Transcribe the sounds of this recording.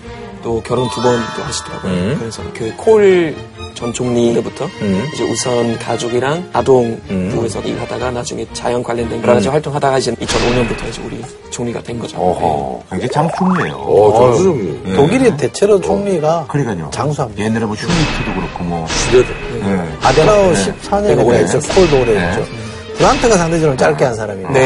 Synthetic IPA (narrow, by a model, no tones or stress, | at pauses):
t͈okjʌɾontubʌndohaɕʰi̥dʌɾa̰ɡokɯɾensʰʌkɯkʰoɭ | t͡ɕʌnt͡ɕʰoŋɲidɯbutʰʌɯsʰʌʔusʰʌnkad͡ʑuɡiɾaŋadoŋpuesʰʌnḭɾɦadaɡanad͡ʑuŋe̞t͡ɕa̰jʌnkwaʎːʌndwenɯɾaɡad͡ʑiɸwaɭt͈ʰoŋɦadaɡaid͡ʑʰinit͡ɕʰʌnoɲʌnbutʰʌisʌ̰uɾi | t͡ɕʰoŋɲiɡa̰dwe̞nɡʌd͡ʑo̰ɦkweŋd͡ʑet͡ɕaŋt͡ɕʰoŋɲiḛjo̰ʌsuoɡitoɡiɾite̞t͡ɕʰeɾot͡ɕʰoŋɲiɡakɯɾik͈aɲo̰t͡ɕaŋs̬ʰuɦamɲjenːaɾemoɕʰumitʰɯdoɡɯɾʌkʰomwʌt͡ɕudedeeadenaoɕʰip̚sʰaɲʌeɡet͡ɕeskʰoɭdoɡɾed͡ʑo | pɯɾantʰɯɡasʰaŋded͡ʑʌʌmt͡ɕ͈aɭk͈eɦansʰaɾamine